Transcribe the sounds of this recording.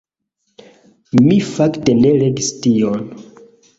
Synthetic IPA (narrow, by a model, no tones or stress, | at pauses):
mifakte̞ne̞leɡistion